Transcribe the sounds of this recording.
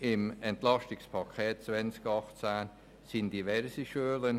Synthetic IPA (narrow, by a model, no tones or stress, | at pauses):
ɪmɛntlɑstɪkspʰɑkʰɛːt̚t͡svɛnskɑχt͡sæn | sɪnd̥ivɛɾsəʃøːlən